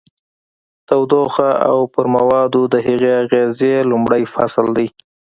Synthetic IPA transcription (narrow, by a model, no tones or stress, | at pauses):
t̪awd̪oxaa̰wpəɾmawɑd̪od̪əɦaɣeaɣezelʊmɽəjfa̰sld̪aj